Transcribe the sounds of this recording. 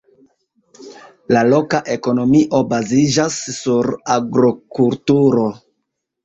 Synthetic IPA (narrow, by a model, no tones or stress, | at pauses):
lalo̞kaʔe̞ko̞no̞miʔo̞bazid͡ʒasːuɾaɡɾokultuɾo̞